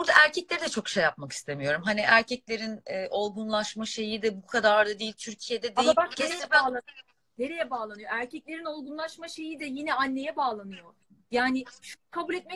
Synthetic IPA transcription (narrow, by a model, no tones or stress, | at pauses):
buɾd̪aʔæɾcʰɛclʲeɾid̪ɛt͡ʃʰo̞kʃejːap̚maki̥st̪ʰe̞mijo̞ɾumɦaniʔæɾcʰɛclʲe̞ɾinɛʔo̞lˠɡunlˠaʃmaʃe̞jid̪ɛbukʰad̪aɾd̪ad̪eilʲt̪ʰyɾcʰije̞d̪ɛd̪jaaeɾejɛbaːlˠanɯj | neɾejɛbaːlˠanɯjo̞æɾcɛcʲlʲe̞ɾino̞lˠɡunlˠaʃmaʃe̞jid̪ɛjinɛanːe̞jɛbaːlˠanɯjo̞ | jaːnɪʃukʰabulʲɛt̪̚mɛ